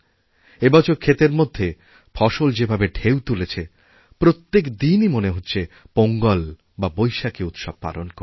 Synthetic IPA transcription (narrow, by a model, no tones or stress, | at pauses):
ebɔt͡ɕʰoɾkʰet̪eɾmod̪ʱːe | fʰɔʃold͡ʑebʱabeɖʰʱewt̪ulet͡ɕʰe | pɾot̪ːekd̪inimoneɦotːɕʰepoŋɡɔl | babojʃakeut̪ʃɔb̚pa̰lonkoɾ